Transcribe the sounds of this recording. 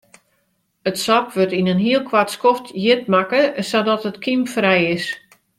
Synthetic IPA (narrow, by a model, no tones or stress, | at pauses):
ətsɔpʋøtinənɦiəlˠkʰʋatskoftjɪt̚makəsadɔtətkʰimfrɛjɪs